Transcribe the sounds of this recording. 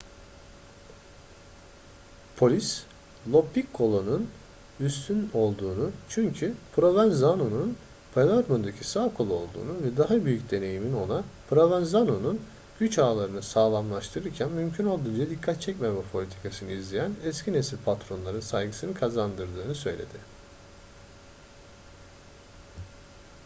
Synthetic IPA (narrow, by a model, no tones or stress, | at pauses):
pʰo̞lʲis | lˠo̞pːikʰːo̞lˠonun | yst̪ʰyno̞lˠd̪uːnut͡ʃʰyɲcʰypɾo̞vænzanonun | pʰelʲaɾmond̪acʰisaːkʰo̞lˠoo̞lˠd̪ṵːnuvɛd̪aɦabyjycd̪e̞ne̞jimino̞napʰɾovanzanonun | ɟ̥yt͡ʃaːlˠaɾɯnɯsaːlˠamlˠaʃt̪ʰɯɾɯɾcʰænmymcʰyno̞lˠd̪und͡ʒad̪ikʰːat̪̚t͡ʃʰɛcmemɛpʰo̞lʲit̪ʰi̥kʰasɯnɯizlʲejænɛscʰine̞silʲpʰat̪ɾo̞nlˠaɾɯnsajɡɯsɯnɯkʰazand̪ɯɾd̪ɯːnɯsø̞̰jlʲed̪ɪ